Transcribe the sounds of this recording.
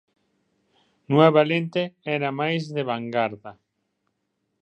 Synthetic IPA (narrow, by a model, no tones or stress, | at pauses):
nweβalent̪eɛɾamajzðeβaŋɡaɾða